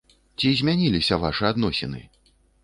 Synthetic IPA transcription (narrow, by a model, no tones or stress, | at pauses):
t͡sʲizʲmʲanʲilʲisʲɐvaʂɨad̪nɔsʲɛ̰nɨ̰